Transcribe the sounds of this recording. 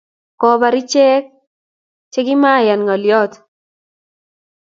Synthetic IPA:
kɔ˦ba˨ɾi˦t͡ʃɛ˦k̚ | t͡ʃɛ˦kɪ˦ma˦˨ja˨nŋɔ˨ljɔ˦t

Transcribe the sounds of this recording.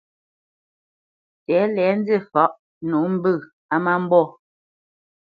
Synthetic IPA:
tɛː˨˦lɛː˨˦n˦de˦˨fɔ˨˦ʔ | nu˨˦m̩˦bɨ˦˨ | a˦ma˦m̩˦bɔ˦˨

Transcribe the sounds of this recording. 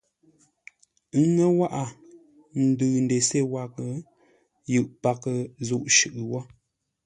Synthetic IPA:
ŋə˦wa˦ʔa˨ | n̩˨˦dɨː˨n̩˨de˨se˦˨wa˨kə˨ | jɨ˦˨ʔpa˨kə˨zu˦˨ʔʃʉ˨ʔɨ˨wɔ˦

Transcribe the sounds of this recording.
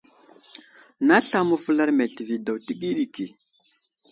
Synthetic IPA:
na˦ɬa˦mə˦fu˦la˦ɾme˨ɬi˨vi˨da˨wti˦ɡi˦ɗi˨ki˨

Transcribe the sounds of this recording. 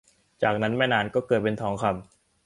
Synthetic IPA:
t͡ɕaː˨˩k̚na˦˥nmɛː˥˩jnaː˧nkɔː˥˩kɤː˨˩t̪̚pe˧nt̪ʰɔː˩˦ŋkʰa˧m

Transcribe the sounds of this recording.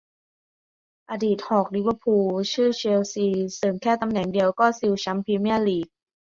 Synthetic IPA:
ʔa˧diː˨˩t̪̚hɔː˨˩k̚li˧˦wə˧pʰuː˧t͡ɕʰɯː˥˩t͡ɕe˧wsiː˧sɤː˨˩mkʰɛː˥˩t̪a˧mnɛ˨˩ŋdi˧əwkɔː˥˩si˧wt͡ɕʰa˦˥mpʰiː˧mi˥˩əliː˨˩k̚

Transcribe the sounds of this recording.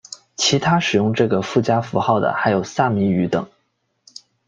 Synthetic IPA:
t͡ɕʰi˧˥t̪ʰa˥ʂɻ̩˨˩jʊ˥˧ŋʈ͡ʂɤ˥˩ɡə˩fu˥˩t͡ɕja˥fu˧˥xɑ˥˩ʊd̪ə̰˩xa˧˥ɪjo˨˩ʊsa˥˩mi˧˥y˧˥t̪ɤ̰˨˩˦

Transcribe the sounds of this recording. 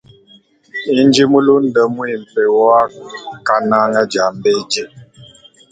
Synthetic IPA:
i˦n˦d͡ʒi˦mu˦lu˦n̩˦də˨˦mu˦i˨m̩˨pe˨wɔ˦a˦ka˦na˦ŋa˦d͡ʒa˨˦m˦be˦d͡ʒe˦˨

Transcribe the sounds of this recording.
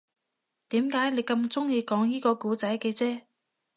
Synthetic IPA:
t̪iː˨˥mkaː˨˥jne˨˥jkɐ˧mt͡sʊ˥ŋjiː˧kɔː˨˥ŋjiː˥kɔː˧kuː˨˥t͡sɐ˨˥jkɛː˧t͡sɛː˥

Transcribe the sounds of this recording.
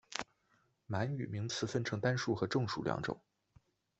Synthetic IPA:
ma˧˥ny̰˨˩mi˧˥ŋt͡sʰɹ̩˥˩fə˥nʈ͡ʂʰɤ˧˥ŋt̪a˥nʂu˥˩xɤ˧˥ʈ͡ʂɤ˥˩˧ŋʂu˨˩ljɑ̰˧˥ŋʈ͡ʂʊ̰˨˩˦ŋ

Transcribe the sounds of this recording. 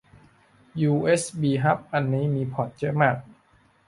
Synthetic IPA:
juː˧ʔeː˦˥sbiː˧ɦa˦˥p̚ʔa˧nːiː˦˥miː˧pʰɔ˨˩t̪̚t͡ɕɤ˦˥ʔmaː˥˩k̚

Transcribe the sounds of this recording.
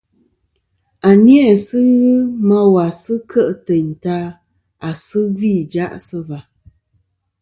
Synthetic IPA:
a˨njɛ˦˨sɨ˦ɣɨ˦ma˦wa˨sɨ˦kʰə˦ʔtə˨ɲta˦ | a˨sɨ˦vi˦˨d͡ʒa˦ʔsə˦va˨

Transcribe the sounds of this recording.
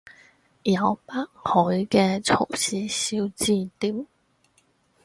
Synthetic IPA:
jɐ˨˧wpa˥k̚hɔ˨˥jkɛ˧t͡sʰʊ̰˨˩ŋsiː˨˧˥si˧wt͡siː˧t̪iː˨˥m

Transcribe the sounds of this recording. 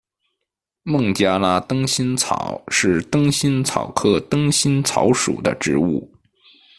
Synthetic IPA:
mɤ˥˩ŋt͡ɕja˥la˥t̪ɤ˥ŋɕi˥nt͡sʰɑ̰˨˩˦ʊʂɻ̩˥˩t̪ɤ˥ŋɕi˥nt͡sʰɑ̰˨˩ʊkʰɤ˥t̪ɤ˥ŋɕi˥nt͡sʰɑ̰˧˥ʊʂṵ˨˩d̪ə̰˦ʈ͡ʂɻ̩˧˥u˥˩

